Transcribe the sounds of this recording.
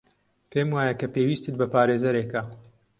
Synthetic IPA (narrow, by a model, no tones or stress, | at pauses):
pʰemwaːjɐkɐpeːwiːst̪ɨt̪̚bɐpaːɾeːzɐɾeka